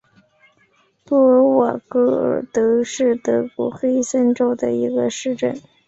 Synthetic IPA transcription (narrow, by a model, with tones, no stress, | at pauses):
pu˥˩ə˧˥wa˨˩kɤ˥ə̰˨˩t̪ɤ˧˥ʂɻ̩˥˩t̪ɤ˧˥kwɔ˧˥xe˥ɪsə˥nʈ͡ʂo˥˩ʊd̪ə˩i˧˥ɡə˧ʂɻ̩˥˧ʈ͡ʂə˥˩n